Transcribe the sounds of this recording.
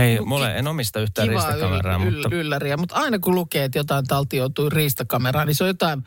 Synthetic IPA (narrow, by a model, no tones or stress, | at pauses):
eimulḛʔḛnomist̪ɑyht̪ˑæːriːʋɑsːt̪kɑmḛrɑ̰ːmlːylːæriæmut̪ɑˑinɑkulukeːt̪jot̪ɑˑint̪ɑlt̪ijoˑut̪uːriːst̪ɑkɑmerɑːnisojot̪ɑˑin